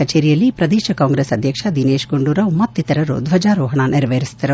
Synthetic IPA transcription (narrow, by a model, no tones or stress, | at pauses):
kɐt͡ʃeːɾijɐlːipɾɐd̪iːʃɐkaːŋɡɾesɐd̪ʱjɐkʂɐd̪ineːʃɡuɳɖuːɾɐʋmɐt̪ːit̪ɐɾɐɾṵd̪ʋɐd͡ʒaːɾoːɦɐɳaːniɾɐʋɐɾist̪ɐɾu